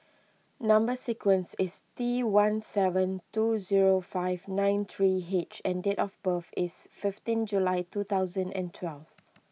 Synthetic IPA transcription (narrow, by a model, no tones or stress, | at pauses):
nãmbəsikwə̃nsɪstiwãnsɛvə̃ntuziɹofaɪvnãɪ̃nt̪ʰɹiɦet͡ʃɛ̃ndetɔfbəfɪsfɪftĩnd͡ʒulaɪtut̪aʊzə̃ndɛ̰̃ntʰwɛlv